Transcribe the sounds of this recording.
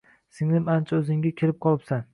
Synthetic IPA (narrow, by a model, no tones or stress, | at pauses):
sɪŋnɪmant͡ʃʰaɵzɪŋʲakʲʰeɾɪp̚qʰɒlˠɪpsan